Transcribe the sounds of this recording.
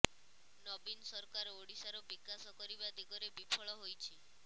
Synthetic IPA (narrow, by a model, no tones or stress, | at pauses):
nɔbinsɔɾkaɾɔoɽisaɾɔbikasɔkɔɾibad̪iɡɔɾebipʰɔɭɔɦojt͡ʃʰi